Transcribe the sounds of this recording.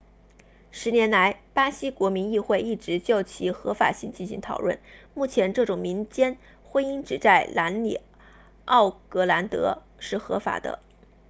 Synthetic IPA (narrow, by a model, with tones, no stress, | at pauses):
ʂɻ̩˧˥njɛ˧˥nla˧˥ɪpa˥ɕi˥kwɔ˧˥mi˧˥ni˥˧xwe˥˧ɪi˥˩ʈ͡ʂɻ̩˧˥t͡ɕjo˥˩ʊt͡ɕʰi˧˥xɤ˧˥fa̰˨˩ɕi˥˩ŋt͡ɕi˥˩nɕi˧˥ŋt̪ʰɑ˨˩ʊwə̰˥˩nmu˥˩t͡ɕʰjɛ˧˥nʈ͡ʂɤ˥˩ʈ͡ʂʊ˨˩ŋmi˧˥nt͡ɕjɛ˥n | xwe˥ni˥ŋʈ͡ʂɻ̩˨˩t͡sa˥˩ɪlʔa˧˥nlḭ˨˩ | ɑ˥˩ʊkɤ˧˥la˧˥nt̪ɤ̰˧˥ | ʂɻ̩˥˩xɤ̰˧˥fa̰˨˩d̪ə̰˦